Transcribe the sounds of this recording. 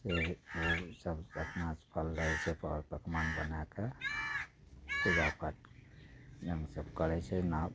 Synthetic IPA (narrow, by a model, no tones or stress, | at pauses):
seosəbəp̪naspʰəlːəɦɛt͡ʃʰɛpʰɔ̰ɾpəkmanbənake | kizapʰəʈ̚ | d͡ʒəŋɡsəbkəɾɛt͡ʃʰɛna